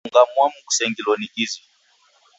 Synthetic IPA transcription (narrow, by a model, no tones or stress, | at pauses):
ŋɡamwamuku̥sɛŋɡilɔnikizi